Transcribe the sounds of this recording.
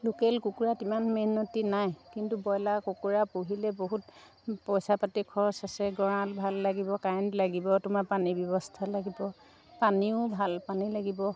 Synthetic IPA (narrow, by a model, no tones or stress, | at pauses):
lukelkukuɹatimanmenotinajkintubɔjlakukuɹapuɦilɛboɦut | pɔjsapatikʰɔɹsasɛɡɔɹalbʱalːaɡibɔkantlaɡibɔtumapanibjɔbɔstʰalaɡibɔ | paniʊbʱalpanilaɡibɔ